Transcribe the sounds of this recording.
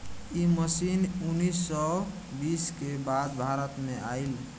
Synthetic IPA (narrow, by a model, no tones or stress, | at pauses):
iməsinunːisːɔ | biskebad̪bʱaɾət̪meʔail